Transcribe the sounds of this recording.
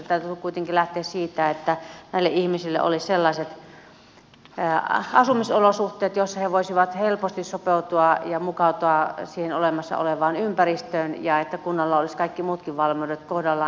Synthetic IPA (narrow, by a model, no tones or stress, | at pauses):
t̪æyt̪ːykuit̪eŋkilæht̪eːssiːt̪æet̪ːænæˑilːeʔihmisilːḛʔo̰lisselːɑiset̪ | ɑsumisolosuht̪eːt̪josːɑheʋoisiʋɑt̪helpost̪issopeut̪uɑjɑmukɑut̪oɑsiːhenolemɑsːɑ̰o̰leʋɑːnympærist̪øːnjɑet̪ːækunːɑlːɑoliskɑikːimuːt̪kiʋʋɑlmiudet̪kohdɑlːɑ